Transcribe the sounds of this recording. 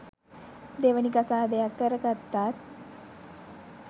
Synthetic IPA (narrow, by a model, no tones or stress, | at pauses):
d̪eʋənikasaːd̪ejakːəɾəɡat̪ːaːt̪̚